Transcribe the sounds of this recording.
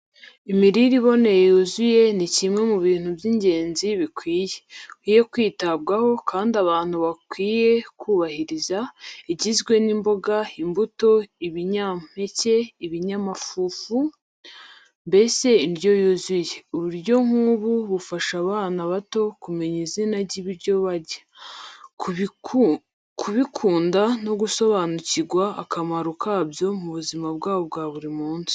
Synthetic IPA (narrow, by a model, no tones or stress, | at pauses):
imiɾiɾiβo̞ne̞jejuzuje̞nicimŋe̞muβiːn̥hubjiɲɟe̞ːnziβikwiːjewijekwiːtab̚ɡaho̞kʰaːndaβaːn̥huβakwiːje̞kuːβahiɾizaiɟizɡwe̞nimbo̞ɡaimbuto̞iβiɲam̥e̞ce̞iβiɲamafuːfu | mbe̞se̞indjo̞juzujeuβuɾɟo̞ŋ̥uβuβufaʃaβaːnaβato̞kumeɲizinaɟiβiɾɟo̞βaɾɟḁ | kʰuβikʰuːndano̞ɡuso̞βaːnuciɡwa̰ːkamaɾukʰabjo̞muβuzimab̚ɡaːβobɡaːβuɾimuːnzi̥